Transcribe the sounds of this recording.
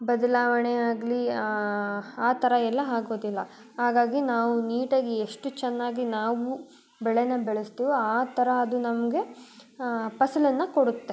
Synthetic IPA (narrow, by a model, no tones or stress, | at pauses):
bɐd̪ɐlaːʋɐɳeaːɡli | aːt̪ʰɐɾɐɛlːɐɦaːɡo̞ːd̪ilːɐ | ɦaːɡaːɡinaːʋuniːʈɐɡeeʂʈut͡ʃɛnːaːɡinaːʋu | bɛɭenɐbɛɭest̪iːʋuaːt̪ɐɾɐːd̪unɐmɐɡe̞ | pɐsɐlɐnːɐkoɽut̪ːe